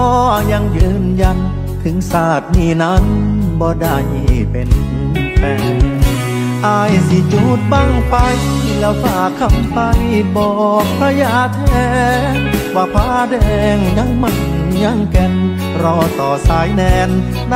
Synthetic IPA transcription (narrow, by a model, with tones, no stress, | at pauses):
ɔː˧˥˧ja˧ŋjɯː˧nja˧n | t̪ʰɯ˨˩˦ŋsaː˨˧˩t̪̚niː˧˩na˦˥nbɔː˧da˧˩jpe˨˧n˧ | p̪ɛː˧˩ | ʔaː˧˩jsi˧˩t͡ɕu˧˩t̪̚ba˧˩ŋpa˧jɛ˧˦wfʰaː˧˩kʰːa˧˥˩mpa˧jbɔː˧˩k̚pʰɾa˧jaː˧˩t̪ʰɛː˧˩ | waː˧˩pʰaː˧˩dɛː˧ŋɲa˧˥˨ŋma˧˩n | ɲa˧˥˩ŋkɛ˧n | ɾɔː˧sɔː˨˦saː˨˦jnɛː˧n | n˧